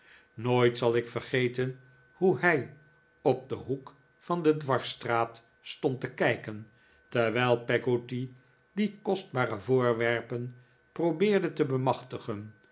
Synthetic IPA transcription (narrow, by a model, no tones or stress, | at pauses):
noːjtsɑlˠɪkfərχejtən | huɦɛj | ɔb̚dəɦuk | fɑndədʋɑɹstraːt | stɔntəkɛjkən | tɛɹʋɛjlˠpɛɡoti | dikɔsd̚baːrəvʊːɹʋɛɹpən | probɪːɹdətəbəmɑχtəχən